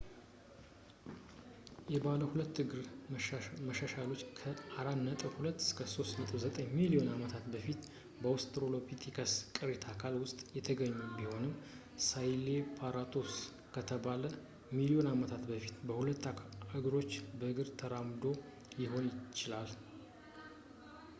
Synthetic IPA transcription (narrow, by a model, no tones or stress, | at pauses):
jɛbaləhulət̪ːɨɡɾ | məʃaʃalo̞t͡ʃːkʰəaɾanət̪ʼɨwhulət̪ːɨ̥skʰəso̞st̪nət̪ʼɨwzət̪ʼəɲmilio̞namət̪ʰat̪bəfit̪ | bəost̪ʰʼɾolo̞pʰit̪ʰikʰaskʼɨɾet̪ʰakʰalwʊst̪ʼjɛt̪ʰəɡəɲːubiho̞nɨm | sajlepʰaɾat̪ʰo̞s | kʰət̪ʰəbalə | milio̞namət̪ʰat̪bəfi̥t̪bəhulət̪ːɨɡɾo̞t͡ʃːbəɨɡɨɾt̪ʰəɾamd̪o̞ | jɪɦo̞njɪt͡ʃːɪlal